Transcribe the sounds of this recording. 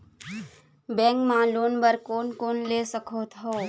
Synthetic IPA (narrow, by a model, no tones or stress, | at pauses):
bɛ̃ːŋkmãːloːnbəɾkoːnkoːnleːsəkʰot̪ɦoː